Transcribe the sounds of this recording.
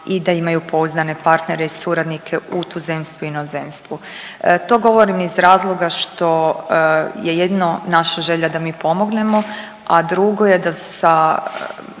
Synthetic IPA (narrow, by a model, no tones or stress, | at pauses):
id̪aimajupo̞uznane̞paɾt̪neɾeisuɾad̪nikʰe̞ut̪uzemst̪ʋuinozemst̪ʋu | t̪o̞ːɡo̞ʋo̞ɾimizɾaːzlˠo̞ɡaʃt̪o̞ | jejed̪nonaʃaʒeʎad̪amiːpo̞mo̞ɡne̞mo̞ | ad̪ɾuɡo̞je̞d̪asa